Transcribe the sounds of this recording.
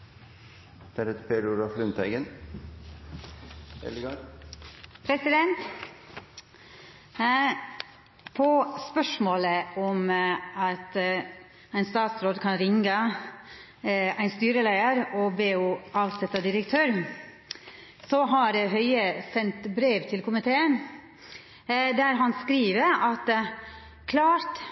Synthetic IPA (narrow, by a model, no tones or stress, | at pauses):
d̪̥æɾɛt̪əpʰeɾʊɾɑflʉnt̪æɪɡən | ɛ̰lɡ | pʰɾɛsɪd̪ɛnt̪ | pʰɔspœʂmoːləɔmɑt̪ | æɪnst̪ɑːt̪sɾoːd̪kʰɑnɾɪŋɡə | æɪnst̪yːɾəlæɪəɾɔbeːuːʔɑːʋsɛt̪ːɑd̪ɪɾəkt̪ʰøːɾ | sɔɦɑɾɦœʏəsɛnt̪bɾeːʋt̪ʰɪlkʰʊmɪt̪ʰeːən | d̪æɾɦɑnskɾiːʋəɾɑt̪ | kʰlɑːɾt̪